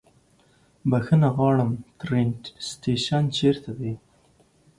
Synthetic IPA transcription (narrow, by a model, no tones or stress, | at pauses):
baxənaɣɑːɭəmt̪ɾenʈst̪eʃant͡ʃeɾt̪ʰad̪e